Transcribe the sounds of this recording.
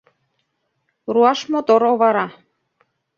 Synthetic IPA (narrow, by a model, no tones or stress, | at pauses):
ruɑʃmot̪oɾoβɑɾɑ